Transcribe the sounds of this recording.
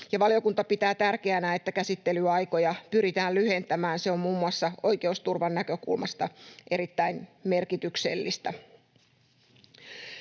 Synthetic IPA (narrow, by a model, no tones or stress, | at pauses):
jɑʋɑlio̞kunt̪ɑpit̪æːt̪ærkeænæe̞t̪ːækæsit̪ːe̞lyɑjko̞jɑpyɾit̪æːllyhe̞nt̪æmæːnse̞o̞mmuːmːuɑsːɑo̞jke̞ust̪urʋɑnːækø̞kṵlmɑst̪ɑʔe̞ɾit̪ːæinme̞rkit̪ykse̞̰lːist̪æ